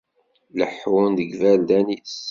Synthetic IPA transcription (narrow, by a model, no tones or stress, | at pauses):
ləħwʊnðəɡvæld̪æniss